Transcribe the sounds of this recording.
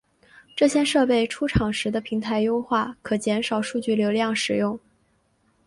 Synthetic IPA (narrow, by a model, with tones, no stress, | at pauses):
ʈ͡ʂɤ˥˩ɕjɛ˥nʂɤ˥˧pe˥˩ɪʈ͡ʂʰu˥ʈ͡ʂʰɑ˨˩ŋʂɻ̩˧˥d̪ə˧pʰi˧˥ŋt̪ʰa˧˥ɪjo˥ʊxwa˥˩kʰɤ˨˩t͡ɕjɛ˧˥nʂɑ˨˩ʊʂu˥˧t͡ɕy˥˩ljo˧˥ʊljɑ˥˩ŋʂɻ̩˨˩jʊ˥˩ŋ